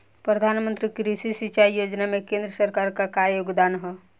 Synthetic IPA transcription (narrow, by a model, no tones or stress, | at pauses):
pɾəd̪ʱanmə̃nt̪ɾikɾisisit͡ʃaijod͡ʒnamekẽnd̪ɾəsəɾkaɾkakajoɡd̪aːnɦɛ